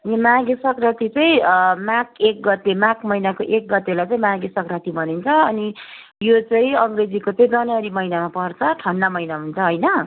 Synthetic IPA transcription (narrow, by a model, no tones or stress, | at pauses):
ʌnimaɡisʌkrat̪it͡sʌĩmãkek̚ɡʌt̪emãkmʌjnakoʔek̚ɡʌt̪elajt͡sʌ̃ĩmaɡisʌkrat̪ibʱʌnint͡sʰʌʌni | jot͡sʌĩʌŋɡred͡zikot͡sʌĩd͡zʌnʌɾimʌjnamapʌrt͡sʰʌʈʰʌnːʌmʌjnaɦunt͡sʰʌɦojnʌ